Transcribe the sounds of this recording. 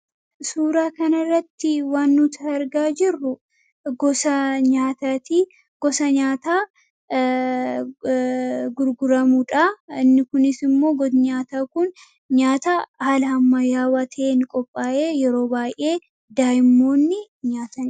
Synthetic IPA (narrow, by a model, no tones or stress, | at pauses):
suːɾaːkɐnɐrːɐt̪ːɪwaːnːʊt̪ʰɐɐɾɡaːd͡ʒɪrːʊ | ɡɔsɐɲaːt̪aːt̪iː | ɡ̥ɔsɐɲaːt̪aː | ɡʊɾɡʊɾɐmuᶑaɪnːɪkʊnɪsɪmːo̞ːɡɔd̪ɲaːt̪aːkʊn | ɲaːt̪ahɐlɐɐmːɐjaːwɐt̪ʰeːnkʼɔpʼːaːʔeːjɛɾo̞ːbaːjʔe̞ː | d̪aːjɪmːo̞ːnːɪ | ɲaːt̪ɐn